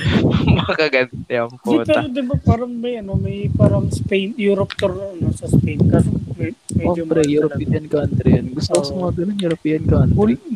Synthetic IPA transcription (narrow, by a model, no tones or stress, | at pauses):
mɐɐkɐɡɐnt̪ɛɐmpditpɛɾod̪ɪbapaːɾɐŋmɐjʔɐnomɐjpaːɾɐŋspejnjuɾopt̪oɾɐnosɐspejnkasmmɛod͡ʒbɾɛjuɾopiɐnkant̪ɾɛjɐnɡʊst̪oksɐmɐŋɐɡɐlɐnjʊɾpiːɐnkanl